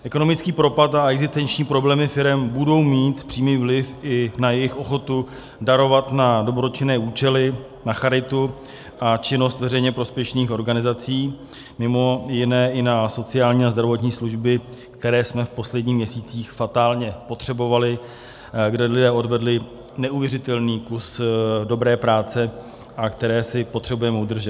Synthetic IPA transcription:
ʔɛko̞no̞mɪt͡skiːpɾo̞pat̪aɛɡzɪst̪ɛnt͡ʃɲiːpɾo̞blɛːmɪfɪɾɛmbudo̞wmiːt̪pr̥iːmiːvlɪfɪnajɛjɪxo̞xo̞t̪u | daɾo̞vat̪nado̞bɾot͡ʃɪnɛːuːt͡ʃɛlɪ | naxaɾɪt̪u | ʔat͡ʃɪno̞st̪vɛrɛjɲɛpɾo̞spjɛʃniːxo̞ɾɡanɪzat͡siː | mɪmo̞jɪnɛːʔɪnaso̞t͡sɪaːlɲiːazd̪ɾavo̞t̪ɲiːsluʒbɪk̚t̪ɛɾɛːsmɛfpo̞slɛdɲiːmɲɛsiːt͡siːxfat̪aːlɲɛpo̞t̪r̝̥ɛbo̞valɪ | ɡdɛlɪdɛːo̞dvɛdlɪ | nɛʔuvjɛrɪt̪ɛlniːkusdo̞bɾɛːpɾaːt͡sɛ | ʔakt̪ɛɾɛːsɪpot̪r̥ɛbujɛmɛud̪r̩ʒɛt̪

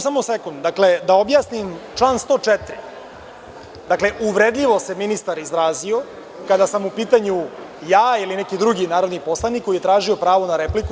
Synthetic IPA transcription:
samosekund̪d̪akle̞d̪ao̞bjaːsnimt͡ʂlˠaːnst̪o̞ːt͡ʂɛt̪ɾḭ | d̪akle̞ʔuʋɾed̪ʎiʋo̞se̞minist̪aɾizɾaːzio̞ | kad̪asamupiːt̪aɲu | jaːilinekid̪ɾuɡinaːɾo̞d̪nipo̞slˠanikːoijet̪ɾaːʒio̞pɾaːʋo̞naɾepliku

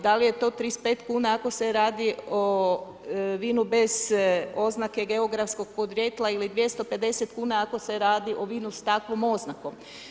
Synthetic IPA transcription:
d̪alije̞t̪o̞ːt̪ɾispeːt̪kuːnaako̞seɾaːd̪io | ʋiːnube̞zo̞znake̞ɡe̞o̞ɡɾafsko̞ɡ̥̚po̞d̪ɾje̞t̪lˠailid̪ʋje̞st̪o̞pe̞d̪e̞set̪kuːnaako̞se̞ɾaːd̪iʔo̞ʋiːnust̪akʋo̞mo̞znako̞m

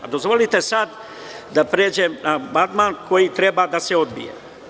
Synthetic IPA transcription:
a̰d̪o̞zʋo̞lit̪e̞sad̪ | d̪apɾeːd͡ʑemnabant̪maːnko̞jit̪ɾe̞bad̪aseo̞d̪bḭjḛ

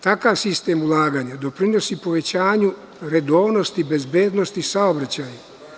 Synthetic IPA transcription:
t̪akaʋsist̪e̞ːmulˠaːɡaːɲad̪o̞pɾino̞sipo̞ʋe̞t͡ɕaːɲu | ɾe̞d̪o̞ːʋno̞st̪ibe̞zbeːd̪no̞st̪isaobɾat͡ɕaːja

